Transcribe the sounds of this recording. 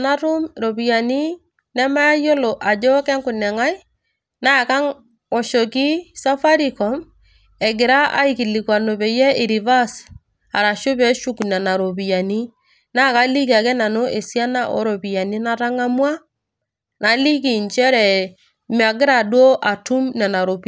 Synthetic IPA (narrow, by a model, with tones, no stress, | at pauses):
na˦ɾʊ˦mɾo˨bi˨ja˨ni˦ | nɛ˦ma˦ja˦jo˦lo˨ʔa˨d͡ʒɔ˦kɛ˦ŋkʊ˨nɛ˨ŋa˦j | na˦˨ka˦ŋ | ɔ˨ʃo˨ki˦sa˦fa˦ɾi˨kɔ˨m | ɛ˨ɡɪ˨ɾa˦ʔa̰˦i˨ki˨li˨kwa˨no˨bɛ˨jɛ˦ɪ˨ɾi˨va˦s | a˨ɾa˨ʃʊ˦pɛ˨˦ʃu˦knɛ˨na˨ɾo˨pi˨ja˨ni˦ | na˦ka˦li˦ka˨kɛ˦na˨no˦ʔe˨sja˦na˦ʔɔ̰˦ɾo˨pi˨ja˨ni˦na˦ta˦ŋa˦mwa˦ | na˨li˦k̬i˨nt͡ʃɛ˦ɾɛ˨ | mɪ˨a˨ɡɪ˦ɾa˨dwo˦ʔa˨tu˦mnɛ˨na˨ɾo˨p